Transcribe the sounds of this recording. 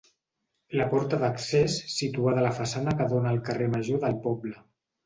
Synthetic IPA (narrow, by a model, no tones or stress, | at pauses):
ləpɔɾt̪əðəksesːit̪uaðələfəsanəkəðonaːlˠkəreməʒoðəlˠpɔblə